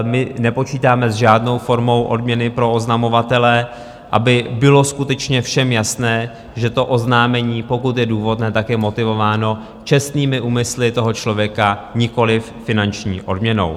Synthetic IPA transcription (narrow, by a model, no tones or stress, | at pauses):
mɪnɛpo̞t͡ʃiːt̪aːmɛzʒaːdno̞wfo̞ɾmo̞wʔodmɲɛnɪpɾo̞oznamo̞vat̪ɛlɛ | ʔa̰bɪbɪlo̞skut̪ɛt͡ʃɲɛfʃɛmjasnɛː | ʒɛt̪o̞ʔoznaːmɛɲiːpo̞kut̪jɛduːvo̞dnɛːt̪akjɛmo̞t̪ɪvo̞vaːno̞ | t͡ʃɛst̪niːmɪʔuːmɪslɪt̪o̞ɦo̞t͡ʃlo̞vjɛkaɲɪko̞lɪfːɪnant͡ʃɲḭːʔo̞dmɲɛno̞̰w